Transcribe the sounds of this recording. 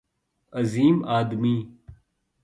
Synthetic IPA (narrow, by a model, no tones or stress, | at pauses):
ɐziːmaːd̪miː